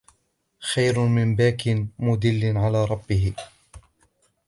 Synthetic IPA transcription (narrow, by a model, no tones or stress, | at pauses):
xajɾʊmɪmbaːkɪnmʊd̪ɪlːɪnʕalaːɾˤɑbːɪɦɪ